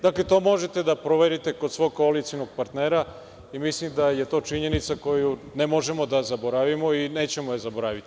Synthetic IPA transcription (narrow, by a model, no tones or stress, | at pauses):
d̪akle̞t̪o̞ːmo̞ʒet̪e̞d̪apɾoʋeɾit̪e̞kosʋo̞ɡ̚kːoalit̪sijno̞ɡ̚paɾt̪ne̞ːɾa | imislimd̪aje̞t̪o̞ːt͡ʃiɲe̞nit̪sako̞junemo̞ʒe̞mo̞d̪azabo̞ɾaʋimo̞ine̞ːt͡ɕe̞mojezaboɾaːʋit̪ii̥